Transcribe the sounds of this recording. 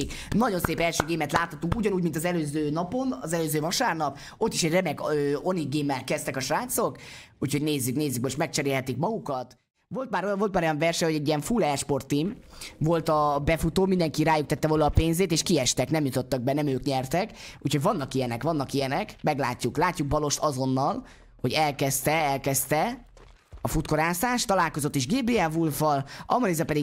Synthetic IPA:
knɒɟo̞nseːpɛlʃøːɡeːmɛt̪laːt̪hɒt̪ːuŋkuɟɒnuːɟmint̪ɒzɛløːzøːnɒpo̞nɒ̰zɛløːzøːvɒʃaːrnɒp | o̞t̪ːiʃɛɟrɛmɛɡøːo̞niɡeːmːɛlkɛst̪ɛkɒʃraːnt̪so̞k | ucʰhoɟneːzːykneːzːykmoʃt̪mɛk̚t͡ʃɛɾeːlɦɛt̪ikmɒɡukɒt̪ | vo̞lt̪maːɾojvo̞lt̪maːɾojɒɱvɛrʃɛho̞ɟɛɟːijɛɱfulɛɛʃpo̞rt̪ːimvo̞lt̪ɒbɛfut̪oːmind̪ɛŋkiɾaːjukt̪ɛt̪ːɛvoːlɒːpeːnzeːt̪eːʃkiɛʃt̪ɛknɛmjut̪o̞t̪ːɒɡ̚bɛnɛmøːkɲɛrt̪ɛkuːcho̞ɟvɒnːɒkijɛnɛkʋɒnːɒkijɛnɛkmɛɡla̰ːcːuklaːcːuɡ̚bɒlo̞ʃt̪ɒzo̞nːɒl | ho̞ɟɛlkɛst̪ɛɛlkɛst̪ɛ | ɒfut̪ko̞ɾaːsaːʃt̪ɒlaːlko̞zot̪ːiʒɡeːbeːɛvulfɒlɒ̰mɔnizɒpɛd̪i

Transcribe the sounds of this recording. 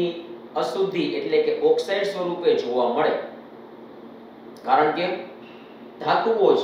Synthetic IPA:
i | əsud̪ʱːiʔeʈlekeʔɔksajɖsʋəɾuped͡ʒʱoʋaməɭe | kaɾəɳke | d̪ʱat̪ʋod͡ʒ

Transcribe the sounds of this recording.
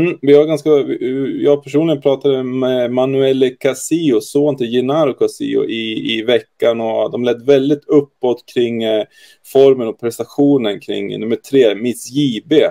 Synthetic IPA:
m̩ːvɪvaɾɡanskajɑːɡ̚pʰæʂuːnlɪɡənpʰɾɑːt̪ad̪əmɛmanʉɛlːkʰasiːʊsoːnt̪ʰɛjɪnaːɾʊkʰasḭːʊ̰ʔɪːvɛkːanɔd̪ɔmlɛd̪ːvɛld̪ɪt̪ʰɵpːɔt̪kʰɾɪŋː | fɔɾmənɔpʰɾɛst̪aɧuːnənkʰɾɪ̰ŋːnɵmːəʈʰɾeːmɪsjiːbe

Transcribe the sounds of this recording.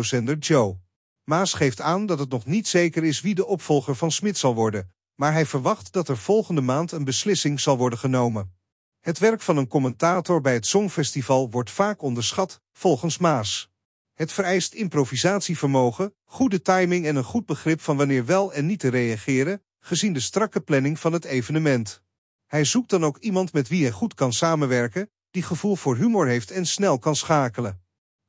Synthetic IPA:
sɛndəɹd͡ʒow | maːsχejftaːndɑtɦətnɔχnitsejkəɾɪsʋidəʔɔpfɔlˠχəɹvɑnsmɪtsɑlˠʋɔɹdən | maːɹɦɛjvəɹʋɑχtdɑtɛɹv̥ɔlˠχəndəmaːntənbəslɪsɪŋz̥ɑlˠʋɔɹdəχənowmən | ɦətʋɛɹkfɑnənkɔmɛntaːtɔɹbɛjɦətsɔŋfɛstivɑlˠʋɔɹtfaːkɔndəɹsχɑt | fɔlˠχənsmaːs | ɦətfəɾɛjstɪmprovizaːtsivəɹmowχə | χudətɑjmɪŋɛnənχud̚bəχrɪpfɑnʋɑnɪːɹʋɛlˠɛnːitərejɑχɪːɾən | χəzindəstrɑkəplɛnɪŋv̥ɑnɦətejvənəmɛnt | hɛjzuk̚dɑnowkimɑntmɛtʋiɦɛjχutkɑnsaːmənʋɛɹkən | d̥iχəvulˠv̥ʊːɹɦymʊːɹɦejftɛnsnɛlˠkɑnsχaːkələ

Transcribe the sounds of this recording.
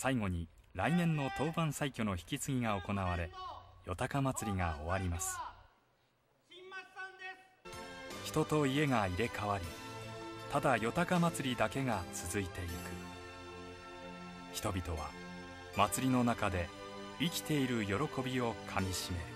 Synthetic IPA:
saiɡo̞ɲ̟i | ɾainẽ̞nːo̞t̪o̞ːbãɰ̃saikʲo̞no̞çi̥kʲit͡sɨɡʲiɡao̞ko̞naβaɾe̞jo̞t̪akamat͡sɨɾʲiɡao̞̰βaɾʲimasɨ̥ | çi̥t̪o̞t̪o̞ie̞ŋaiɾe̞kʰaβaɾʲi | t̪ad̪ajo̞t̪akamat͡sɨɾʲid̪ake̞ɡat͡sɨzɨit̪e̞ikɯ̥ | çi̥t̪o̞bʲit̪o̞βa̰ | mat͡sɨɾʲino̞nakad̪e̞ | ikʲi̥t̪e̞iɾɯ̟jo̞ɾo̞ko̞bʲio̞kʰamʲiɕime̞

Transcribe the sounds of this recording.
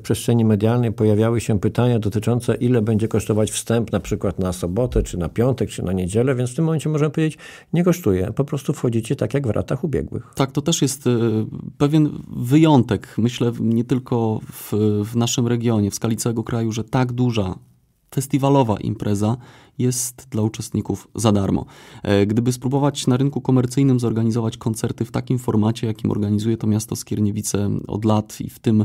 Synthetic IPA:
pʂɛstʂɛɲimɛd̪ʲjalnɛjpɔjavʲjawɘɕɛpɘt̪aɲad̪ɔt̪ɘt͡ʂɔnt̪sɛʔilɛbɛɲd͡ʑɛkɔʂt̪ɔvat͡ɕfst̪ɛmpnapʂɘkwat̪nasɔbɔt̪ɛt͡ʂɘnapʲjɔnt̪ɛk̚t͡ʂɘnaɲed͡ʑɛlɛvʲjɛnsft̪ɘmːɔmɛnt͡ɕɛmɔʐɛmɛpɔvʲjʲed͡ʑet͡ɕ | ɲɛkɔʂt̪ujɛ̰pɔpɾɔst̪ufxɔd͡ʑit͡ɕɛt̪akjaɡvɾʔa̰t̪axubʲjɛ̰ɡwɘ̰xak̚t̪ɔt̪ɛʂjɛst̪pɛvʲjɛnvɘjɔnt̪ɛkmɘɕlɛɲɛt̪ɘlkʰɔvvnaʂɘmɾɛɡʲjɔɲɛfskalʲit̪sawɛɡɔkɾajuʐɛt̪aɡd̪uʐa | fɛst̪ʲivalɔva̰ʔḭmpɾʔɛza | jɛst̪d̪laut͡ʂɛst̪ɲikufzad̪aɾmɔ̰ɡd̪ɘbɘspɾubɔvat͡ɕnaɾɘnkukɔmɛɾt̪sɘjnɘmzɔɾɡaɲizɔvat͡ɕkɔnt̪sɛɾt̪ɘft̪akʲimfɔɾmat͡ɕɛjakʲimɔ̰ɾɡaɲizujɛt̪ɔmʲjast̪ɔskʲjɛɾɲɛvʲit̪sɛɔ̰d̪lat̪ḭft̪ɘm

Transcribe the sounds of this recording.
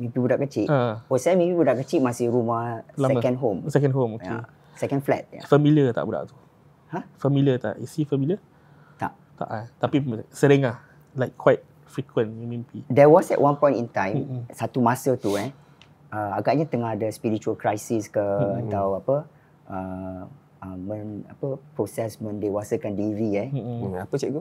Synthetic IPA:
mẽbibudaʔkət͡ʃiʔaosaamebibudaʔkət͡ʃiʔmasihɾumalasɛkə̃nɦomsɛkə̃nɦomojkae | sɛkə̃nflɛ̰t̪̚a̰fəmiliət̪a̰ʔbuda̰ʔt̪u̥ | hãfəmiliət̪a̰ʔisifəmiliə | a̰ʔ | t̪a̰ʔat̪apisəɾɪŋlah | laɪkʰːwajt̚ | fɹikʰwə̃numĩmpidɛwɔsɛ̰ʔwʔãnpɔ̃j̃ntint̪ãj̃msat̪umãsət̪uɛ | əaɡaʔɲat̪əŋahdəspiɾit͡ʃuəlkɾajsiskəat̪awapə | ə | əmə̃na̰pəpɹosɛsmə̃ndewasəkãndilivɾiɛapət͡ʃɛk̚t̪u

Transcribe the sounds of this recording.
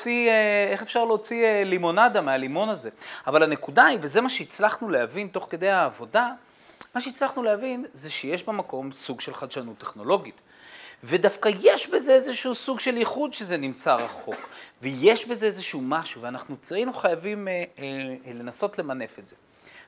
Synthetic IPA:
t͡siee̞χe̞fʃaʁleot͡sielimo̞nadamealimo̞naze̞avalane̞kudaibeze̞maʃeit͡slaχnuleavinto̞χke̞d̪ejaːvo̞da | maʃeit͡slaχnuleavinze̞ʃejeʃbemako̞msuɡʃelχad̪ʃanut̪ːeχno̞lo̞ɡit | ve̞dafkaje̞ʃbeze̞ezeʃuusuɡʃe̞liχudʃezenimt͡saʁaχokveje̞ʃbe̞zeezeʃumaʃuveanaχnut͡sinuχajavim | le̞naso̞tle̞mane̞fetz̥e̞

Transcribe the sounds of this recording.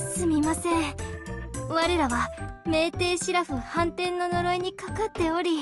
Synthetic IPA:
sɨmʲimasẽ̞ɴ | βaɾe̞ɾaβame̞ːt̪e̞ːɕiɾaɸɯ̟hãnt̪ẽ̞nːo̞no̞ɾo̞iɲ̟ikakat̪ːe̞o̞ɾʲi

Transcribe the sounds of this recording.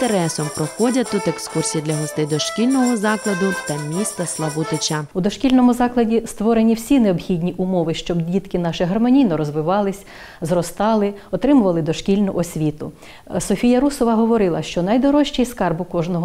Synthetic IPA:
t̪eɾɛsɔmpɾɔxɔdʲɐt̪ut̪ekskursʲijid̪lʲɐɦɔst̪ɪjd̪ɔʃkʲilʲnɔɦɔzɑklˠɐd̪ʊt̪ɐmʲist̪ɐslˠɐʋut̪ɪt͡ʃaud̪ɔʃkʲilʲnɔmʊzɑklˠɐdʲist̪ʋɔɾenʲiwsʲineɔbxʲidʲnʲiʔʊmɔʋɪʃt͡ʃɔbdʲit̪kɪnɑʃɪɦɐrmɔnʲijnɔɾɔzʋɪʋɑlˠɪsʲ | zrɔst̪ɑlˠɪɔt̪ɾɪmʊʋɐlˠɪd̪ɔʃkʲilʲnʊʔɔsʲʋʲit̪ʊ̰ | sɔfʲijɐɾusɔʋɐɦɔʋɔɾɪlˠɐʃt͡ʃɔnɐjd̪ɔɾɔʃt͡ʃɛjskɑrbʊkɔʒnɔɦɔ

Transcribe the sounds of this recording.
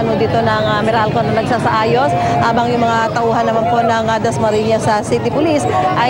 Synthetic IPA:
ɐnod̪it̪o̞nɐŋɐmɛɾalkonɐnɐɡ̚saːsɐʔaːjo̞s | haːbɐŋjʊŋmɐŋat̪ɐʔuːhɐnːɐmanpo̞ʔnɐŋɐd̪ɐsmɐɾiɲɐsɐsit̪ɪpʊlisʔɐ

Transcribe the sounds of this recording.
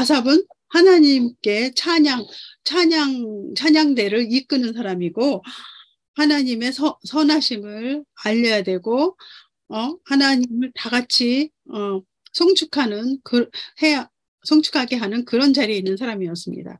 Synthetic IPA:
as̬ʰabɯn | hanaɲimk͈e̞t͡ɕʰaɲaŋt͡ɕʰaɲaŋt͡ɕʰaɲaŋde̞ɾɯɾik͈ɯnɯnsʰaɾamiɡo | hanaɲime̞sʰʌsʰʌnaɕʰimɯɭaʎːʌjadwe̞ɡo | ʌhanaɲimɯɭtaɡat͡ɕʰi | ʌ | sʰoŋt͡ɕʰukʰanɯnkɯɾhe̞ja | sʰoŋt͡ɕʰu̥kʰaɡe̞ɦanɯnkɯɾʌnd͡ʑaɾiinːɯnsʰaɾamiʌs͈ɯmɲḭda̰

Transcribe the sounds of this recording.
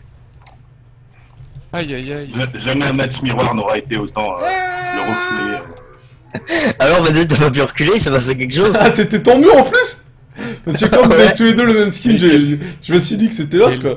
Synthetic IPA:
ʒʒamɛɛ̃mat͡ʃmiʁwaʁnɔʁaet̪eot̪ɑ̃øəʁəfyle | alɔʁmɛd̪it̪̬yapap̬yʁəkʲyleisəpas̬ɛk̬ʲɛkʃozaset̪ɛt̪ɔ̃b̪yɑ̃plys | paʁsəkəkɑ̃vzaɛt̪uled̪øləmɛmskʲinʒeʒ̥əməsɥid̪ikə̥set̪ɛlɔt̪χkwa

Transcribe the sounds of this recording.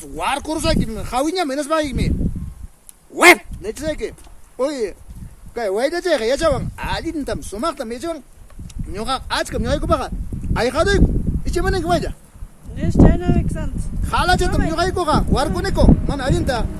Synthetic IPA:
waɾkoɾʊs̬ajkɪmhɑwɪɲamɪnas̬pɑkɪkmɪ | wepnat͡ʃɪsajkɪoj | kajwajʎat͡ʃajqɑjat͡ʃawaŋaʎɪnt̪amsʊmɑχt̪amjat͡ʃawaŋɲoqɑat͡ʃkamɲoqɑjkʊpɑqɑɑjqɑd̪ʊjkʊɪt͡ʃɪmanɪŋkɪwajʎa | eʃt͡ʃanakanhɑlat͡ʃat̪amɲoqɑjkoqɑwaɾkonɪkomanaːʎɪnt̪a

